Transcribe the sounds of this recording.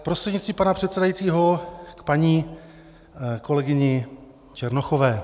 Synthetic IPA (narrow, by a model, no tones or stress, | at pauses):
pɾost̪r̥ɛd̪ɲɪtt͡st̪viːpanapr̝̥ɛt̪sɛdajit͡siːɦokpaɲiː | ko̞lɛɡɪɲɪ | t͡ʃɛɾnoxo̞vɛː